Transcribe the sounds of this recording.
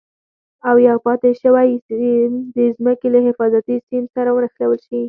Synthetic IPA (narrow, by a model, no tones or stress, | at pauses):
awjɑpɑt̪eʃəwaj | d̪əzməkelaɦɪfɑzat̪isinsaɾawənaxlawəlʃi